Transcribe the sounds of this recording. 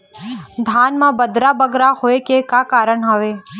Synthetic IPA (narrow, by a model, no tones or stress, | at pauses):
d̪ʱanmãbəd̪ɾabəɡɾahoekekakaɾəɳɦəʋe